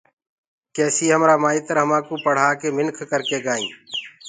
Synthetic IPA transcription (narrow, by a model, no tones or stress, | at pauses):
keːsiːɦəmɾaːmaːiːt̪əɾɦəmãːkuːpəɽ̤aːkeːmɪnkʰkəɾkeːɡaːḭ̃ː